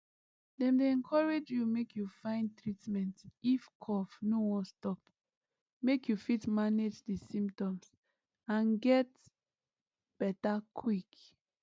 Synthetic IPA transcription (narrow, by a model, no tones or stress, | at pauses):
dɛ̃mdeɛ̃nkʰɔɹed͡ʒjumekjufãɪ̃nd̚tɹitmɛ̃ntifkʰɔfnowɔ̃stɔp | mekjufitmaned͡ʒdisĩmptɔ̃ms | ãnɡɛt | b̥ɛtakʰwik